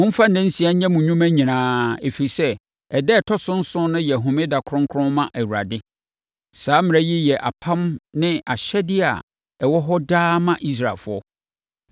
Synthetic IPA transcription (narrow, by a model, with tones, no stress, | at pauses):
mʊ̃˦m̩˦fã˦n̩˨nɛ̃˦n̩˦si˨˦a˦ɲã˦mũ˨ɲũ˦mæ̃˦ɲĩ˨nãː˦e˨fi˨i˨sɛ˦ | ɛ˨dɛ˦˨tʰɔ˦sʊ̃˦n̩˦sʊ̃˦nʊ̃˦jɛ˨ɦʊ̃˨mɪ̃˦da˨kʰʊ˦ɾʊ̃˦ŋkʰɾʊ̃˦nmã˦ʔæ˨wu˨ɾa̰˨dɪ˦ | saː˨˦mɪ̃˨ɾɛ˦ji˦jɛ˨ʔa˨pʰã˦mnɪ̃˦a˨ɕɛ˦dɪ˦a̰˨ | ɛ˨wɔ˦ɦɔ˦daː˦mã˦ʔi˦s̬ɾa̰˨lfʊ˦ɔ˦